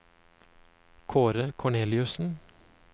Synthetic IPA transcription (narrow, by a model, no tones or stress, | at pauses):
kʰoːɾəkʰɔɳeːlɪʉsn̩